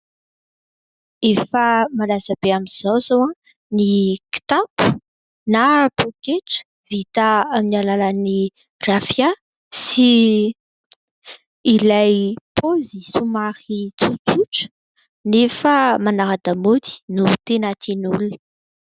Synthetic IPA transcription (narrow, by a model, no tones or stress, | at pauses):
efəmalazəbeamiz̥owzowã | niki̥t̪apu̥ | napokeʈ͡ʂə̥ | vit̪aaminalalani | rafja | si | lajpʰozisumaχit͡sut͡suʈ͡ʂə̥ | nefəmanaɾad̪amot̪i̥nut̪enat̪ʰinuli̥